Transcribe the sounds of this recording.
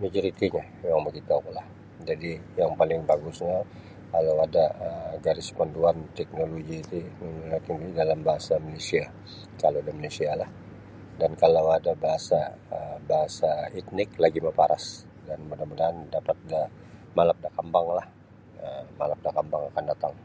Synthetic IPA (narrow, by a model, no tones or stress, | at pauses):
mid͡ʒiɾit̪iɲa | jaŋməkit̪akolah | d͡ʒadijaŋpalɪŋbaɡusɲa | kalawadaəɡaɾispanduant̪ɛk̚noloɡiːt̪imənulakinidalambaɦasamalesia | kalawadamalesialah | dankalawadabaɦasaəbaɦasait̪̚nɪklaɡimapaɾas | danmədamədandapat̪̚da | malap̚dakambaŋlah | əmalap̚dakambaŋakandat̪aŋ